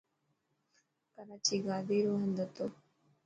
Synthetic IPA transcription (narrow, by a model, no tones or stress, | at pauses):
pəɾat͡ʃiɡaːd̪iːɾoːɦə̃nd̪ət̪oː